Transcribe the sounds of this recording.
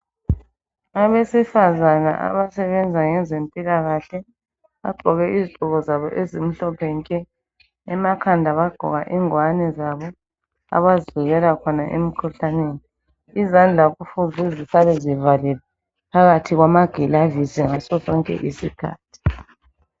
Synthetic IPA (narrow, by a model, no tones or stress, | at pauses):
aβesifazana̰ʔa̰βasɛβɛnd͡zʱaŋɛzempʼilaɣaɬɛ | a̰ɡ͡ǃʱɔɣɛʔiziǃʱʼuɣɔzaβɔ̰ʔezim̩ɬɔpʰɛŋkʼɛː | makʰandʱaβaɡ͡ǃ̥ʱɔ̰ɣaʔiŋwanɛzaβɔ | a̰βaziluɣɛlakʰɔnaʔḛm̩kʰuɬaneːniː | zand͡ɮʱakufuzʱuzisaβɛzivalilɛ | pʰaɣatʰiɣwamaɡ̥ʱilavizɛŋasɔsɔŋkʼɛ̰ʔisikʰa̰ːtʰi̥